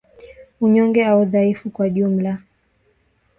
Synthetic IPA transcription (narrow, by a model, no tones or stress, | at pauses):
uɲɔŋɡɛauðaifukwaʄum̩la